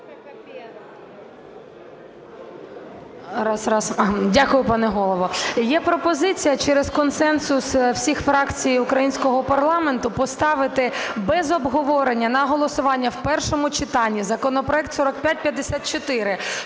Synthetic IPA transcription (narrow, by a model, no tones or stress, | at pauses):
ɾɑsɑsdʲakʊjʊpɑnɛɦɔlˠɔʋɔjɛpɾɔpɔzɪt͡sʲijɐt͡ʃɛɾez̥kɔnsɛnsʊswsʲixfɾɑkt͡sʲijʊkɾɐjinʲsʲkɔɦɔpɐrlˠɑment̪ʊpɔst̪ɑʋɪt̪ɪbɛzɔbɦɔʋɔɾenʲːɐnɐɦɔlˠɔsʊʋɑnʲːɐwpɛrʃɔmʊt͡ʃɪt̪ɑnʲːizɐkɔnɔpɾɔɛk̚t̪sɔɾɔk̚pʲjat̚ʲpʲjɐd̪ːesʲat̪̚t͡ʃɔt̪ɪɾɪ